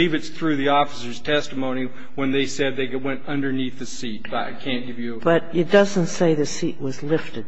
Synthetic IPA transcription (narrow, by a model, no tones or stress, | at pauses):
ivɨtsθɹʉðiɔfəsə˞z̥tʰɛstəmõʊ̃ñi | wə̃nðeɪsɛd̪̚ðeɪwɛ̃ntʌ̃ndə˞niθðɨsit̚b̥ʌɾa̰ɪkʰæ̃nɡ̥ɪvjɨb̥ʌɾɨt̚d̥ʌzɨ̃ntseɪðɨsiʔ̚wʌzlɪftɨd̥̚